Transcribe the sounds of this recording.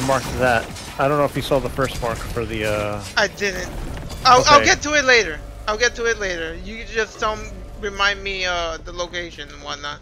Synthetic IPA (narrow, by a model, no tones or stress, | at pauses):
ðɨmɑɹksʌvðæt̚ | aɪdɾõʊ̃nːoʊɨfjɨsɔðəfɜ˞st̚mɑɹkfə˞ðiʌaɪdɪdⁿn̩taɪlˠaɪlɡɛtəɪtˡleɪɾə˞ | aɪlˠɡɛtʰɨɪtˡleɪɾə˞jɨd͡ʒʌsd̥ʌ̃ʊ̃m | ɹɨmãɪ̃nmiʌðəloʊkeɪʃɨ̃nwaɪnət̚